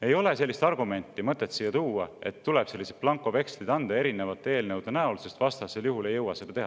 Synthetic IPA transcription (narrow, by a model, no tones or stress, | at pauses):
e̞jo̞le̞se̞lːist̪ɑrɡume̞nʲt̪ːˑimɤt̪ːˑet̪ːsiːjːɑt̪uːwɑe̞t̪ːuleb̥se̞lːised̪̚plɑŋkˑːo̞ve̞kst̪id̪ɑnd̪ɑe̞ɾine̞vɑt̪ːˑee̞ːlnewd̪ɑnæulse̞st̪vɑst̪ɑse̞ljuɦule̞jːɤwɑse̞d̪̥ɑt̪eɦɑ